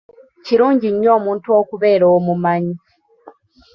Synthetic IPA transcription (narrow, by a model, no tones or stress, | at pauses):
ciɾuːɲɟiɲːo̞ːmuːntuo̞ːkuβe̞ːɾoomumaɲi